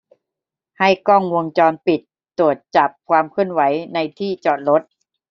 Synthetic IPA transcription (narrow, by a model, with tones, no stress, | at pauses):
ha˥˩jkɔ˥˩ŋwo˧ŋt͡ɕɔː˧npi˨˩t̪ːu˨˩ət̪̚t͡ɕa˨˩p̚kʰwaː˧mkʰɯ˥˩ənwa˩˦jna˧jt̪ʰiː˥˩t͡ɕɔː˨˩t̪̚ɾo˦˥t̪̚